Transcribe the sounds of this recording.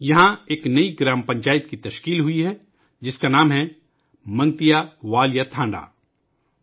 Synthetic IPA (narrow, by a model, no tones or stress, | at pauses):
jɐɦãeːknɐiɡɾaːmpɐ̃ɲt͡ʃaːjɪt̪̚kit̪ɐʃkiːlɦʊiɦɛ | d͡ʒɪskanaːmɦɛ | mɐ̃ŋɡt̪ijaʋaːljat̪ʰãːɳɖa̰ː